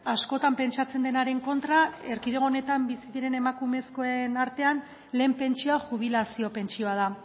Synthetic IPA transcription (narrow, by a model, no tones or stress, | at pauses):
asko̞t̪ampe̞nt͡ʃat͡se̞nd̪e̞naɾe̞ŋko̞nt̪ɾae̞ɾkiðeɣo̞ne̞t̪ambisiðiɾe̞ne̞makume̞sko̞enaɾt̪e̞an | le̞ːmpe̞nt͡ʃioaʝuβ̞ilasio̞pe̞nt͡ʃio̞að̞a